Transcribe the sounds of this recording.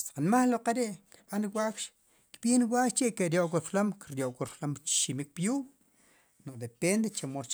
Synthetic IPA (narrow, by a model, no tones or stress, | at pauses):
sqanmaχloqeɾeʔki̥ɓanɾiwʷakʃ | kiɓiniwaʔʃt͡ʃiʔkeɾjoʔkuɾflomkɾjoʔkuɾflomt͡ʃʃimik̚pjuːm | noʔd̪epend̪et͡ʃemost͡ʃ